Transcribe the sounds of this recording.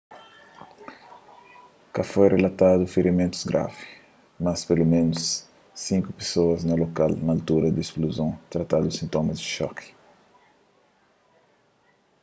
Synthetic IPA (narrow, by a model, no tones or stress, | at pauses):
kafojrelat̪ad̪ufeɾimẽnt̪uzɡɾa̰vi̥ | mɐspelumẽnusː | ĩŋkupe̥soɐznɐlokalnalt̪uɾɐd̪espluzõwt̪ɾat̪ad̪usĩnt̪omɐzd͡ʒiʃɔ̰kʰi̥